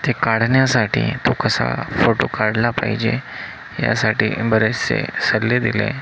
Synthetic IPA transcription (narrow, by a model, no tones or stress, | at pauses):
t̪ekaɽ̤ɳjasaʈiːt̪okəsa̰foʈokaɽlapa̰ɦid͡ʑe | ja̰saʈiːbəɾet͡sḛsəlːed̪ilḛ